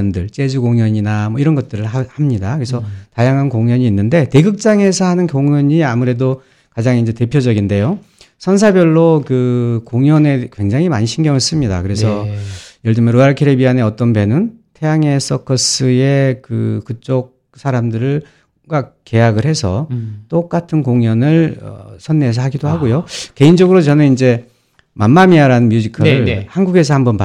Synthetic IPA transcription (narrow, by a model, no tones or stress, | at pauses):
ndɯɭt͡ɕ͈e̞d͡ʑuɡoŋjʌɲinamʌiɾʌnɡʌt̚t͈ɯɾɯɭhamɲidakɯɾesʰʌtajaŋɦankoŋjʌɲiːnːɯnde̞te̞ɡɯk̚t͡ɕ͈aŋe̞sʰʌɦanɯnkjoŋʌɲiamuɾe̞do | kad͡ʑaŋind͡ʑe̞te̞pʰjod͡ʑʌɡinde̞jo | sʰʌns̬ʰabjʌɭːokɯkoŋjʌne̞kwe̞ŋd͡ʑaŋɦimaɲiɕʰinɡjʌŋʌs͈ɯmɲida̰kɯɾe̞s̬ʰʌjʌɭd͡ʑɯmʌnɾoaɭkʰeɾebiane̞ʌt͈ʌnbe̞nɯntʰe̞jaŋe̞s͈ʰʌkʰʌs͈ɯe̞kɯkɯt͡ɕ͈ok̚ | sʰaɾamdɯɾɯɭ | ɡwak͈e̞jaɡɯɭhe̞sʰʌt͈ok͈atʰɯnkoŋjʌnɯɭʌ̰sʰʌnːes̬ʰʌhaɡidohaɡojoke̞ind͡ʑʌɡɯɾot͡ɕʌnɯnind͡ʑe̞ | mamːamiaɾanɯnmjud͡ʑikʰɯɭhanɡuɡe̞s̬ʰʌhambʌnpa